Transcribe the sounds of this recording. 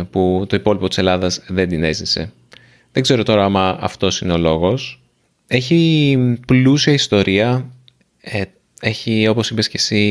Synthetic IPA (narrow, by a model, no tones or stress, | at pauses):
put̪o̞ipo̞lipo̞t̪i̥se̞lɐðɐzðe̞nd̪ine̞zðise̞ | ðe̞ɡze̞ɾo̞t̪o̞ɾɐɐmɐɐ̰ft̪o̞sine̞o̞lo̞ɣo̞s | e̞çiplusiɐist̪o̞ɾʔiɐ | e̞çio̞po̞sipe̞sce̞si